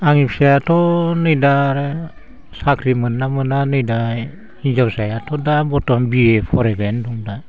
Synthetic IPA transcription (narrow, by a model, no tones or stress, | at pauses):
aŋipsajatonɯjdaɾe | sakɾimɯnːamɯnanɯjda | iɲd͡ʒawsajatʰodabotombiepʰoɾebenduŋda